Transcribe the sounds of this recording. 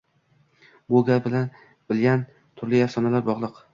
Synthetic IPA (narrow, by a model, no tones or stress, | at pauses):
boɡʲaɾbɪlan | bɪlɡʲan | t̪ʰʊɾlɪjaɾsɒnalaɾbɒʁlˠɨq